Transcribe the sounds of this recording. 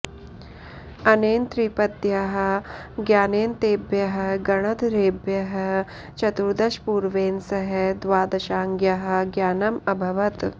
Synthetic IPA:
ɐneːnt̪ɾipɐd̪jɐɦɐ̆ɡjaːneːnt̪eːbjɐɦɐ̆ɡɐɳ̃ɐd̪ɾeːbjɐɦɐ̆ | t͡ʃɐt̪uɾd̪ɐʃpuːɾʋeːnsɐɦɐd̪ʋaːd̪ɐʃaːŋɡjɐɦɐ̆ɡjaːnɐmɐbʱɐʋɐt̪

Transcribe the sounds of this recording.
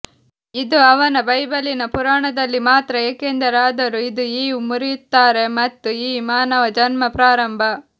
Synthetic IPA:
id̪uɐʋɐnɐbɐjbɐlinɐpuɾaːɳɐd̪ɐlːimaːt̪ɾɐeːkeːnd̪ɐɾaːd̪ɐɾuid̪uiːumuɾijut̪ːaːɾe̞mɐt̪ːuiːmaːnɐʋɐd͡ʒɐnmɐpɾaːɾɐmbʱɐ

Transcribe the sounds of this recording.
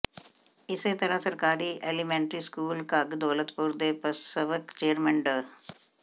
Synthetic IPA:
ɪset̪əɾãsəɾkaːɾiːʔeːlimẽːɳʈɾiːskuːlkaɡd̪oːlət̪pʊɾd̪eːpəsəʋəkt͡ʃeːɾmə̃ɳɖə

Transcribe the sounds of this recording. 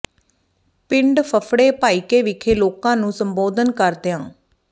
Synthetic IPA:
pɪɳɖpʰəpʰɽeːpaːiːkeːʋɪkʰeːloːkãːnũːsəmboːd̪ənkəɾt̪ejãː

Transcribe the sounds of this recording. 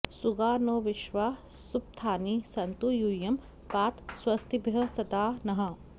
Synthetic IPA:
suɡaːnoːʋiʃʋaː | sup̚t̪ʰaːnisɐnt̪ujujɐm | paːt̪swɐst̪ʰibʱjɐsɐd̪aːnɐɦɐ̆

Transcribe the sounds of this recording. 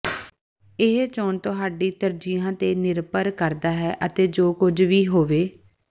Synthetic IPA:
ɪɦt͡ʃoːnt̪ʊɦaːɖiːt̪əɾd͡ʒijãːt̪eːnɪɾpəɾkəɾd̪aːɦɛːʔət̪eːd͡ʒoːkʊd͡ʒʋiːɦoːʋeː

